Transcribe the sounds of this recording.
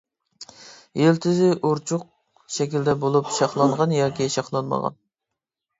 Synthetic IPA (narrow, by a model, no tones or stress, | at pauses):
jelt̪ʰɪzɪʔuɾt͡ʃʰʊq̚ | ʃɛkʲild̪ɛbolˠupʃɑχlˠɑɴʁɑnjɑːkʲiʃɑχlˠɑnmɑ̰ʁɑ̰n